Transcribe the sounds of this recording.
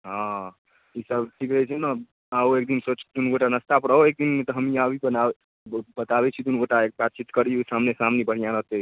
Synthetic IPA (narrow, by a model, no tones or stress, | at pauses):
ɦã | isəbʈʰikɾɛt͡ʃʰɛna | aoek̚d̪insot͡ʃd̪unɡoʈanəst̪apɽəɦoek̚d̪inmet̪ɔɦəmiabʱibəna | bət̪abɛt͡ʃʰid̪unɡoʈaek̚bat̪̚t͡ʃit̪kəɾiusamnesamnebəɽ̤ijanət̪e